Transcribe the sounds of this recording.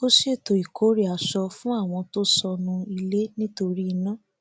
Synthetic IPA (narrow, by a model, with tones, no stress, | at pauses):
o˦ʃe˦˨to˨i˨kʰo˨˦ɾi˦˨a˨ʃɔ˧fũ˦a˦˨w̃ɔ̃˧to˦sɔ˧nũ˧i˧le˦nĩ˦to˧ɾi˦˧nã˦